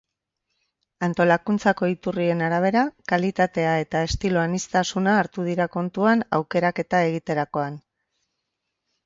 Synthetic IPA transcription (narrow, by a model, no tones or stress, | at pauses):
ant̪o̞lakunt͡sako̞it̪urie̞naɾaβ̞e̞ɾakalit̪at̪e̞ae̞t̪ae̞st̪ilo̞anist̪asunaːɾt̪uð̞iɾako̞nt̪uana̰wke̞ɾake̞t̪ae̞ɣ̞it̪e̞ɾako̞an